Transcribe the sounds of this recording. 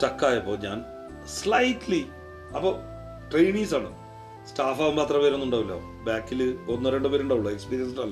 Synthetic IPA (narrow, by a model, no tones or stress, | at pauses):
ʈɐkːaːjɐpːo̞ːɲaːn | slɐjʈli | ɐpːoː | ʈrejɳiːs̬aːɳɨ | sʈaːfaːʋumaːt̪rɐpeːɾenːuɳɖaːʋilːɐ | baːkːilɨonːɨɾeɳɖɨpeːɾuɳɖaːʋuɭːɐekspiːɾijɐnsnɐlːɐ